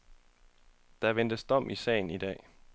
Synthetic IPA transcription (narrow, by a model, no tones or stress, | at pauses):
d̥ɑ̈ʋen̰d̥əsd̥ɒ̽m̰ʔisɛ̰ːɪnid̥ɛ̰ː